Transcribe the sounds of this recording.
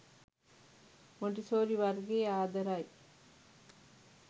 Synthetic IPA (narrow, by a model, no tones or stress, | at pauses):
moɳɖisoːɾiʋɐɾɡeːaːd̪ɐɾaj